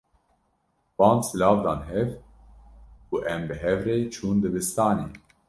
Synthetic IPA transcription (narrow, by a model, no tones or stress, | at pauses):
b̥ɑːnd̪sɨlɑːvd̪ɑːnɦɛv | kuʔɛmbɨɦɛvɾet͡ʃʰuːnd̪ɨbɨst̪ɑːneː